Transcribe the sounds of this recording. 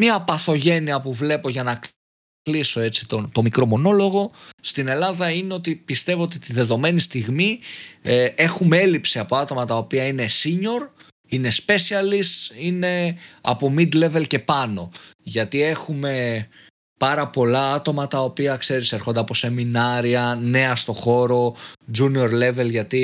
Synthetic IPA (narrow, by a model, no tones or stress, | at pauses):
mɐpɐθo̞ʝe̞niɐpuvle̞po̞ʝɐnɐ | kliso̞e̞si̥t̪ot̪o̞mikɾo̞mo̞no̞lo̞ɣo̞st̪ine̞lɐðɐine̞o̞t̪ipist̪e̞vo̞ot̪it̪iðe̞ðo̞me̞nist̪iɣmi | e̞xumee̞lipsiɐpo̞ɐt̪o̞mɐt̪ɐopiɐine̞siɲo̞ɾ | ine̞spe̞siɐlisine̞ɐ̰po̞mid̪le̞ve̞lce̞pɐno̞ʝɐt̪ie̞xume̞ | pɐɾɐpo̞lɐɐt̪o̞mɐt̪ɐopiɐkse̞ɾiseɾxo̞nd̪e̞ɐpo̞se̞minɐɾiɐne̞ɐst̪o̞xo̞ɾo̞d͡ʒunio̞ɾle̞ve̞lʝɐt̪i